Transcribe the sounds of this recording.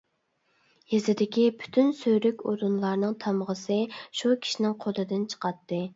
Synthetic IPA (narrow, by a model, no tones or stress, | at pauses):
jezɪd̪ɪkʲipʰy̥t̪ʰynsøjɾykʲo̰ɾunlˠɑɾnɨŋt̪ʰɑmʁəsɨʃukʲʰi̥ʃinɪŋqʰolˠɨd̪ɨnt͡ʃʰə̥qɑt̪ːɨ